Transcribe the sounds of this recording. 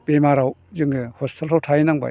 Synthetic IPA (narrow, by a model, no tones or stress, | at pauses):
pemaɾawzɯŋɯhɔstʰeltʰɔwtʰajnaŋba̰j